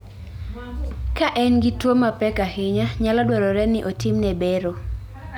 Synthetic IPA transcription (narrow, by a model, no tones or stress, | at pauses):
kaʔɛnɡɪtwomapɛkahɪɲaɲalɔdwɛɾɔɾɛnɪʔotimnɛbeɾo